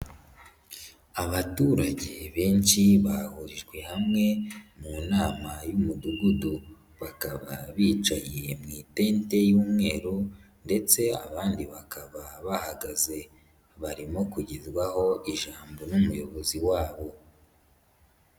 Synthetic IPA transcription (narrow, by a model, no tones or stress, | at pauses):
aβatuːɾaɟe̞βeːnʃiβahuɾiʒɡwe̞hamŋe̞muːnaːmajumuduɡudu | βakaβa̰βiːt͡ʃaje̞mŋiːte̞ːnte̞juːmŋe̞ːɾu | nde̞t͡se̞a̰βaːndiβakʰaβaβahaɡaze̞ | βaɾimo̞kuɟizɡwaho̞iʒaːmbo̞numujo̞βo̞ziwaːβo̞